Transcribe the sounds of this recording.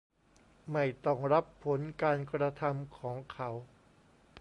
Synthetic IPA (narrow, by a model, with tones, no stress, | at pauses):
ma˥˩jt̪ɔ˥˩ŋɾa˦˥pʰːo˩˦nkaː˧nkɾa˧t̪ʰa˧mkʰɔː˩˦ŋkʰa˦˥w